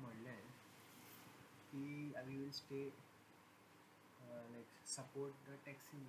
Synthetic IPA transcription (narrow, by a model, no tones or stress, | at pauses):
m̤əɽle | kiaiʋilsʈe | laɪksəpoɾʈ̚d̪əʈæksĩn